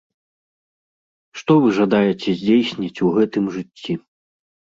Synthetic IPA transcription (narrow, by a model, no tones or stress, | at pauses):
ʂt̪ɔvɨʐad̪ajɛt͡sʲɛzʲd͡zʲejsʲnʲɐt͡sʲuɣɛt̪ɨmʐɨt͡sʲːi